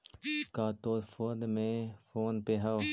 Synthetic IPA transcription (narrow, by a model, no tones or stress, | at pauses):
kaːt̪oːdfoːnmẽfoːnpeɦa